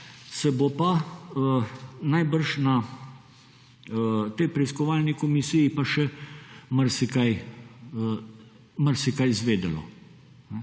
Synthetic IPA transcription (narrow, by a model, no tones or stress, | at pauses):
sɛbopa | najbəɾʃna | t̪ɛjpɾɛiskɔʋaːlnikɔmisijipaʃɛmɐɾsikaj | mɐɾsikajzʋeːd̪ɐlɔ̰ | nɛ